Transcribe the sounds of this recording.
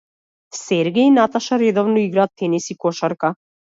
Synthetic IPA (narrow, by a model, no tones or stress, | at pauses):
sɛɾɡɛinat̪aʃaɾɛd̪ɔvnɔiɡɾaːt̪ːɛnisikɔʃaɾka